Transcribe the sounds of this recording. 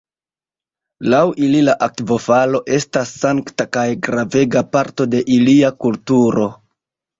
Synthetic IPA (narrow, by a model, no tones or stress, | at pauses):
lawʔililaʔak̚vo̞falo̞ʔe̞stasːaŋktakajɡɾave̞ɡapaɾto̞de̞ʔiliakultuɾo̞